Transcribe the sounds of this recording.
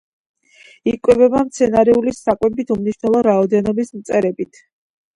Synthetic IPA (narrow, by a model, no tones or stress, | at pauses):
ikʼwɛbɛbamt̪sʰɛnaɾɛulisakʼwɛbit̪ʰumniʃvnɛlˠɔɾaɔd̪ɛnɔbismt̪sʼɛɾɛbit̪ʰ